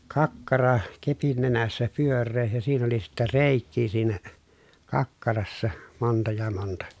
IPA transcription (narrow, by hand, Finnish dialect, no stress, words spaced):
kɑkːɑrɑ kepin nenæsːæ pyørˑeː jɑ siːn oli sitːæ reˑikːiː siːnæ kɑkːɑrɑsːɑ montɑ jɑ montɑ